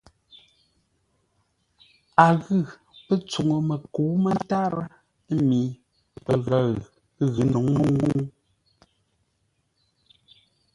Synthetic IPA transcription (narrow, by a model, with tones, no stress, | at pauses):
a˨ɣɨ˦˨ | pə˦t͡su˨ŋo˨mə˨ko˨˦mə˦n˦ta˦ɾə˦ | mi˨˦ | pə˨ɣa˦˨ɣ | ɣɨ˨˦no˨ŋmə˦ŋu˦ŋ